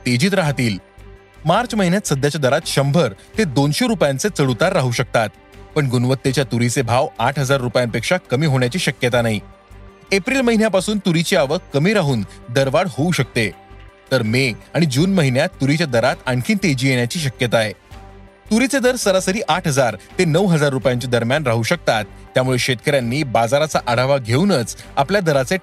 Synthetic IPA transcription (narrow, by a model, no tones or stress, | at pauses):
t̪ed͡ʑiːt̪ɾaɦt̪iːl | maɾt͡sməɦinjat̪səd̪jat͡ɕjad̪əɾat̪ɕəmbʱəɾt̪ed̪onɕoɾupjant͡set͡səɽut̪aɾːaɦuɕək̚t̪at̪̚ | pəɳɡunʋət̪ːet͡ɕjat̪uɾit͡sebʱaʋaʈʰɦəd͡zaɾːupjampekʂakəmiːɦoɳjat͡ɕiːɕəkjət̪anaɦi | epɾiːlməɦinjapasuːnt̪uɾit͡ɕiaʋəkkːəmiːɾaɦuːnd̪əɾʋaɽhouɕək̚t̪et̪əɾmeaɽ̃id͡ʑuːnməɦinjat̪ːuɾit͡ɕjad̪əɾat̪aɳkʰiːnt̪ed͡ʑiːjeɳ̃jat͡ɕiːɕ̬əkjət̪ae | t̪uɾit͡sed̪əɾsəɾasəɾiːʔaʈʰɦəd͡zaɾt̪enəʋɦəd͡zaɾːupjaɲt͡ɕed̪əɾmjanɾaɦuɕək̚t̪at̪ːjamuɭeɕet̪̚kəɾjanːiːbad͡zaɾat͡saʔaɽ̤aʋaɡʱeunət͡sapljad̪əɾat͡se